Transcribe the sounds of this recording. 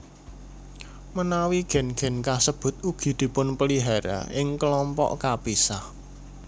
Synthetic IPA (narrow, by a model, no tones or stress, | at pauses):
mənawiɡ̥ɛ̤nɡ̥ɛ̤nkasəb̥ʊ̤t̪̚uɡ̥i̤d̪̥i̤pʊnpəliɦaɾa̰ɪŋkəlɔmpɔ̰ʔkab̥isah